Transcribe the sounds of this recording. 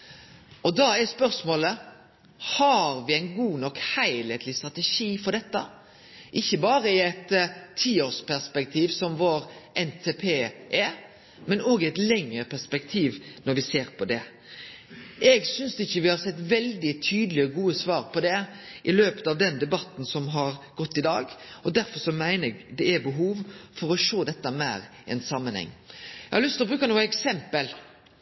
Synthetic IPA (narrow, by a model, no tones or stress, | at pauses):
ʔɔd̪ɑɛspœɾsmoːlə | hɑɾʋɪæɪnɡuːnɔkhæɪleːt̪ʰlɪst̪ɾɑt̪ɛʂiːfɔɾɖ̪ɛt̪ːə | ʔɪçːəbɑːɾəɪɛt̪ʰːiːoːspæʁspɛk̚t̪ʰiːʋsɔmʋoːɾʔɛnt̪ʰeːpʰeːʔɛ | mɛnoːɡɪɛɪt̪lɛŋəpʰæɾspɛkt̪ʰiːʋnɔɾʋɪseːɾpʰɔd̪ɛ | ɛɡsʏnsd̪ɪçːəʋɪhɑɾsɛt̪ːʋɛld̪ɪt̪ʰyːd̪lɪəɡuːəsʋɑːɾpʰɔd̪ɛʔɪløːpə̥t̪ɑʋd̪ɛnd̪ɛbɑt̪ːn̩sɔmɦɑɾɡ̥ɔt̪ːɪd̪ɑːɡɔd̪æɾfɔɾʂɔmæɪnəɛɡd̪ɛɛbəɦuːʋfɔɾɔʃoːd̪ɛt̪ːəmæːɾ | ɛ̰nsɑmːənhɛ̰ŋːɛhɑɾlʉst̪lɔbɾʉːkɑnuːɛksɛmpəl